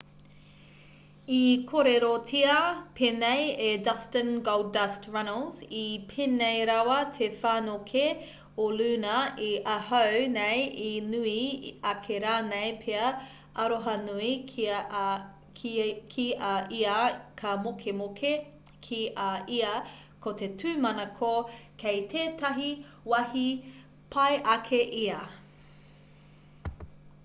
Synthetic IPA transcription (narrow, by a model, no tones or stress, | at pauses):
ikʰoɾeɾotʰiɐpʰeːnejedɐstə̃nɡowdɐstɹɐnəlzipʰenejɾawɐtʰefaːnokʰe | olʉnɐiʔɐhɐwnejinuiɐkʰeɾaːnejpʰeɐ | ʔɐɾoɦɐnui | kʰiʔɐʔiakʰɐmokʰemoke | kʰiʔɐʔiɐ | kʰotetʰʉːmɐnɐkʰokʰejtʰeːtɐɦi | wɐhi | pʰɐjʔɐkʰeʔiɐ